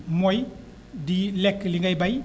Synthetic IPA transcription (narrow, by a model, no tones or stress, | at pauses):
moj | dilekliŋɡajbaj